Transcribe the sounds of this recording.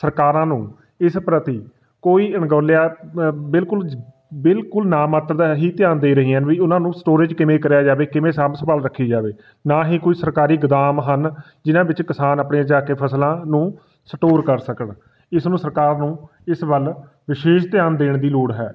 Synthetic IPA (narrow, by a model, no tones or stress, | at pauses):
səɾkaːɾãːnũː | ɪspɾət̪iː | koːiːənɡoːlejaːbɪlkʊl | bɪlkʊlnaːmaːt̪ɾəd̪aːɦiːt̪ɪjaːnd̪eːɾəɦiːɦənʋiːʊnãːnũːsʈoːɾɪd͡ʒkɪmẽːkəɾjaːd͡ʒaːʋeːkɪmẽːsãːmsəbaːlɾəkʰːiːd͡ʒaːʋeː | naːɦiːkoːiːsəɾkaːɾiːɡɪd̪aːmɦən | d͡ʒɪnãːbɪt͡ʃkɪsaːnəpneːd͡ʒaːkeːpʰəslãːnũː | səʈoːɾkəɾsəkəɳ | ɪsnũːsəɾkaːɾnũː | ɪsbəl | ʋɪʃeːʃt̪ɪjaːnd̪eːɳd̪iːloːɽɦɛ̰ː